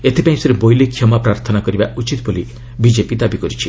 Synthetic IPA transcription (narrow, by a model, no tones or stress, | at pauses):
et̪ʰipãĩseɾebojlekʰjɔmapɾaɾt̪ʰɔnakɔɾibaut͡ʃit̪boli | bid͡ʒepid̪abikɔɾit͡ʃʰi